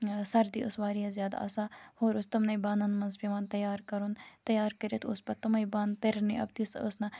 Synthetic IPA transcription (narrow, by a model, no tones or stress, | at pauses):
sɐɾd̪ḭʔʊsʋaːɾiɦɐzʲjaːd̪a̰ɐ̰sahoːɾʊst̪ɐmnɐjbaːnɐnmɐnzpiʋaːnt̪ɐjaːɾkɐɾunt̪ɐjaːɾkəɾet̪ʰʊspɐt̪ɐmɐjbaːnt̪eɾniʔɐ̰b̚t̪isəsnɐ